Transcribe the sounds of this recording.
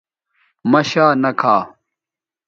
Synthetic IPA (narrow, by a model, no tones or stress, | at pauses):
mɐɕaːnɐkʰaː